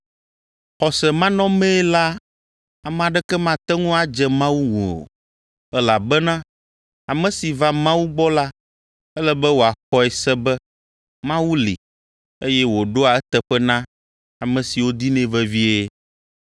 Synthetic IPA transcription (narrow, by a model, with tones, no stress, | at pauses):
xɔ˨sɛ˨mã˦nɔ̃˦mɛ̃˦la˦ | a˨mɛ̃˨a˨ɖɛ˦kɛ˦mã˦t̪ɛ˦ŋũ˦a˨d͡ʒɛ˨mã˦wu˦ŋṵ̃˨o̰˨ | ɛ˦la˨bɛ˦nã˦ | a˨mɛ̃˨si˨va˦mã˦wu˦ɡ͡bɔ˦la˦ | ɛ˦lɛ˦bɛ˦wo˨a˨xɔ˦ɛ˨sɛ˦bɛ˦ | mã˦wu˦lḭ˨ | e˦jɛ˦wo˨ɖo˦a˨ɛ˦t̪ɛ˨ɸɛ˦nã˦ | a˨mɛ̃˨si˨wo˦d̪i˦nɛ̃˦vɛ˦vi˦e˦